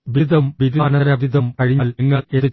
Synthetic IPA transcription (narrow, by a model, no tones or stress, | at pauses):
bid̪ʱɐmʋid̪ɐːnɐɾɐbʱid̪ʱɐmkɐɻiɲːliŋːɐet̪ːi